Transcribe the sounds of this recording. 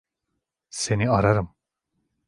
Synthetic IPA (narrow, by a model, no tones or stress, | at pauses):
seniaɾaɾɯm